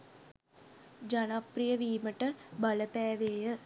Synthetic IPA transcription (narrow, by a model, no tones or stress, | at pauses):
d͡ʒanaprijəʋiːməʈəbaləpæːʋeːjə